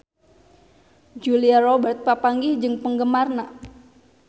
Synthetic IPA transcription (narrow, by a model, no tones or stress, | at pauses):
d͡ʒuliarobərt̪̚papaŋɡid͡ʒɨŋpəŋɡəmarna